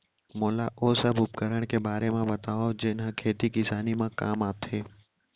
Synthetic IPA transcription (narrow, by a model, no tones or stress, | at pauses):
moːlaʔosəbʱupkəɾəɳ̃kebaːɾemãbət̪aʋad͡ʒenãkʰet̪ikɪsanimãkamapt̪ʰe